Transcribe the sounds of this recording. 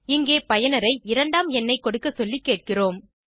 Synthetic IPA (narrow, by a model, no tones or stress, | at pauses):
ɪŋɡeːpɐjɐnɐɾɐɪɪɾɐɳɖaːmɛnːɐɪkɔɽɯkːɐsɔlːikːeːʈ̚kɪroːm